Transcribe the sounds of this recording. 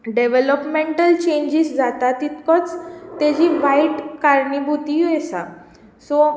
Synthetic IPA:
ɖeʋeləpmẽɳʈəlt͡ɕẽɲd͡ʑisd͡zat̪at̪it̪kət͡st̪ad͡ʑiːʋaiʈkaɾɳibʱut̪iɛsa̰ | so

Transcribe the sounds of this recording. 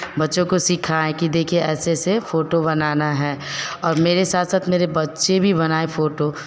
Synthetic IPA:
bɐtːʃõkosikʰaɦɛkid̪eːkʰieɛːsesefoːʈobɐnaːnaɦɛːɔːɾmeːɾesaːt̪ʰsaːt̪meːɾebɐtːʃebʱibɐnaːefoːʈo

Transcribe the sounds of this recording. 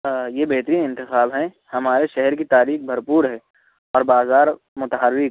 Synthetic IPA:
jebeɦt̪ɾiːnɪ̃nt̪ɪqaːlɦɛ̃ | hɐmaːɾeʃɛɦɛɾkit̪aːɾiːxbʱɐɾpuːɾɦɛː | ɔːɾbaːzaːɾ | mʊt̪əɦəɾːɪk̚

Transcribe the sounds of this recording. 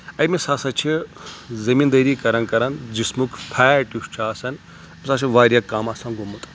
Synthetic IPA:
ɐjmisaːsɐt͡ʃʰizɐmiːnd̪ɐɾiːkɐɾɐnkɐɾɐnd͡ʒismukʰpʰaːʈiʂt͡ʃʰaːsɐn | mʲisat͡ʃʰiʋaːɾʲjɐkːamɐsɐnɡumut̪ʼ

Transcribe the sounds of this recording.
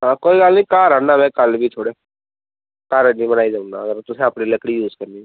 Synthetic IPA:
ɦãːkoːiːɡəlnĩːkaːɾãːnaːmɛ̃ːkəlbiːt̪ʰoːɽeː | kaːɾanĩːbənaːiːd͡ʒaːʊ̃na̰ːəɡəɾt̪ʊsẽəpniːləkɽiːjuːzkəɾniː

